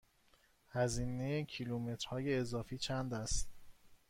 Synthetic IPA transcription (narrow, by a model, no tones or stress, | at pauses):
hæziːnejecʰilumet̪ɾ̥hɒːje̞ːzɒːfiːt͡ʃʰænd̪æst̪